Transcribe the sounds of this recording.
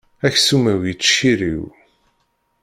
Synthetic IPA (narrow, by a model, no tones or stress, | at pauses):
æçsumæwjit͡sːʃiɾḭw